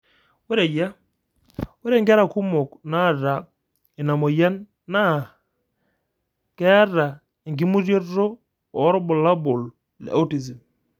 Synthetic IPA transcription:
wɛ˦ɾe˨ja˦ | wɛ˦ɾe˦ŋɡɾa˨ku˦mɔ˨kna˦˨ɾa˨ | ɪ˨na˨mɔ˨ja˦nː | a˦˨ | kɛ˦a˦ɾa˨ | e˨ŋɡi˦mu˦ɾjɔ˦o˦ | ɔ˨˦ɾɔ˦bɔ˨la˦bo˨l | lɛ̰˨a̰˦u˦ti˨zi˨m

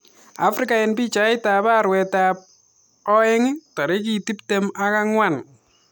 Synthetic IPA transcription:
a˦fɾɪ˦ka˨ɪnpi˦t͡ʃa˨˦ɪ˦ta˨ba˦ɾwɛ˨tap̚ | ɔ˦ɪ˦ŋta˨ɾe˦k̬i˨ti˦ptema˦ka˦ŋwa˨n

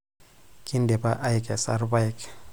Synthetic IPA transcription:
kʼi˦ndɛ˨pa˦ʔa˦jkʼa˨sa̰˦rba˦jk

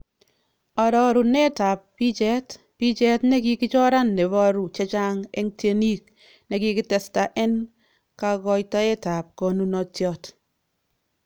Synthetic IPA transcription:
ɔ˨ɾɔ˨ɾu˨nɛ˦ta˨p̚ːi˦d͡ʒɛ˦t | b̥i˦d͡ʒɛ˦tnɛ˦ɡi˦kɪ˦d͡ʒɔ˦ɾa˦nːe˨bɔ˦ɾu˨t͡ʃɛ˦t͡ʃa˦ŋɛ˦ŋtje˦ni˦k | nɛ˨˦ɡɪ˦ɡɪ˦tɛ˨sta˨ʔɛ˦n | ka˨ɡɔ˦jta˦ɛ˦ta˨p̚kɔ˨nu˦nɔ˨tjɔ˦t

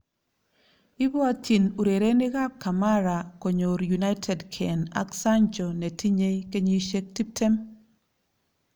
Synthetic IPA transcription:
ɪ˦bɔ˦a˦ti˨nu˨ɾe˨ɾe˦nɪ˦ɡa˦kːa˨ma˦ɾa˨ko˨ɲo˨ɾju˨na˦ɪtʰɛ˨dkʰɛ˨na̰˦ksa˦nd͡ʒɔ˨nɛ˨tʰi˦ɲe˦jke˦ɲi˦ʃe˦k̚ti˦p̚tʰe˦m

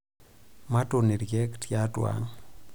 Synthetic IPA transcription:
ma˦to˨ne˨ɾɡɛ˦ktjatwa̰ŋ

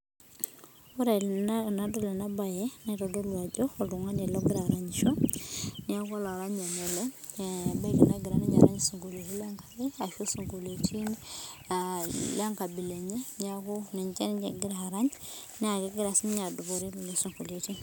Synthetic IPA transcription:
o˦ɾe˨lnna˨do˦le˨na˦ba˨jɛ˦neto˨do˦lwa˨d͡ʒo˦o˨u˨ŋa˦ne˨lo˦ɡɪ˦ɾa˨ɾa˨ɲi˨ʃo˦nia˦ku˦a˦la˨ɾa˦ɲa˨ne˨le˦ba˦i˦ki˨na˦ɡi˨ɾa˦ni˦ɲa̰˨ɾa˦ɲisu˨ŋɡo˨le˨ti˦la˦ŋkḁ˦ɡe˦a˨ʃo˦su˨ŋɡo˨le˨tʰi˦n | la˦ŋka˨bi˨le˨ɲe˦ɲa˦ku˦ne˨ɲt͡ʃe˦n˦ɲe˨ɡi˦ɾa˨ɾa˦ɲ | nɛ˦a˨ke˦ɡɪ˦ɾa˨si˦m˦ɲa˨du˨bo˨ɾe˦lle˦su˨ŋɡu˨le˨ti˦

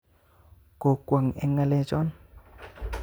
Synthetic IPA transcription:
ko˨kwa˨ŋɛ˦ŋa˧lɛ˦d͡ʒɔ˦n

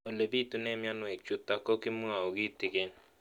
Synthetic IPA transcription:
o˨le˨bi˦˨tu˦nɛ˦mja˦nʊ˦ɛ˨k̚t͡ʃʊ˦ta˨kɔ˦ki˦mu˦ŋa˨o˨ɡi˦tɪ˨ɡe˦n

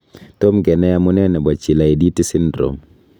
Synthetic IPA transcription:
t̪o˦mɡɛ˨nɛ˦ja˦mu˦nɛ˦nɛ˨bɔ˨t͡ʃɪ˨la˨e˨di˦ti˦sɪ˦ndɾo̰˨m

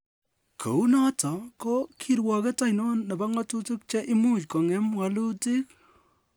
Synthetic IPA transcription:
kʰo̰˨u˦nɔ˦tɔ˨ko˦kʰi˨ɾwɔ˨ke˦ta˦jnɔ˦nːɛ˨ba˦ŋɔ˦tu˦tu˦k̚t͡ʃɛ˦ʔɪ˦mu˦t͡ʃkɔ˨ŋɛ˦mwa˨lu˦ti˦k̚

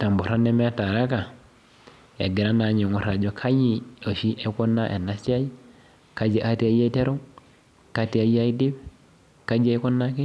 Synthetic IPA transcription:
ta˨mbo˨ɾa˦nːe˦me˦a˦ta˨ɾa˦ka˨ | ja̰˨ɡi˨ɾa˦na˨ɲo˨ŋo˨ɾa˨d͡ʒo˦kʰa˦ji˦o˨ʃi˦e˦ko˦nːa˦ʔḛ˨nːa˦sa˦j | ka˦d͡ʒi˨ʔa˦ti˦a˦ja˦i˦te˦ɾu˦ŋ | ka˦ti˦a˦ja˦i˦di˦b | ka˦d͡ʒa˦i˦ko˦nːa˦ki˦

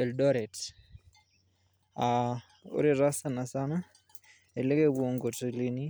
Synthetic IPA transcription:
ɛ˨ldɔ˦ɾɛ˨t | a | o̰˦ɾi˦ɾa˦sana˨sa˦na˦ | e˨le˦ke˦woŋɡo˨ti˨li˦ni˦

